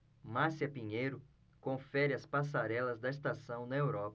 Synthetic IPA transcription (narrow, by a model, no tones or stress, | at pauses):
masiɐpĩɲejɾʊ | kõfɛɾɪɐspas̬aɾɛlɐzd̪ɐis̬t̪asɐ̃w̃nɐewɾɔpɐ